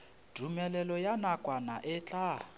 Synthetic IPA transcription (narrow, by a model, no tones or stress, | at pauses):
d̥ʱumɛlɛlɔjanakʼwana̰ʔɛt͡ɬʼa